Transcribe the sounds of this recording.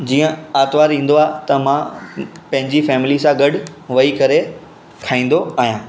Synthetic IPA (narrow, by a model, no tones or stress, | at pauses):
d͡ʑiːə̃aːt̪ʋaːɾĩːn̆d̪oaːɦt̪ɐmãpɐ̃ɦɪ̃ɲd͡ʑifɛːmɪlisãɡɐɖʊʋɐikɐɾe | kʰaːĩːn̆d̪oaːɦijãː